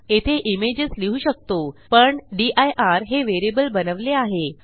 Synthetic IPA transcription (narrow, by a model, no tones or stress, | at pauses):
et̪ʰeʔimed͡ʑəsliɦuɕək̚t̪opəɳɖiʔajʔaɾɦeʋeɾebəlbənəʋleaɦe